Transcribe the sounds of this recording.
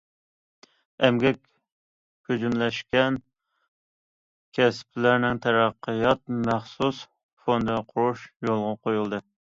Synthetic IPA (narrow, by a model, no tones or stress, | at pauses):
ɛmɡʲɛkʲ | kød͡ʒymlɛʃkʲɛn | kʲʰɛspʰlæɾnɪŋt̪ʰɛɾɑqʰːəjɑt̪̚mæχsus | fond̪ɨqʰʊɾuʃjolˠʁɑqʰojulˠd̪ɨ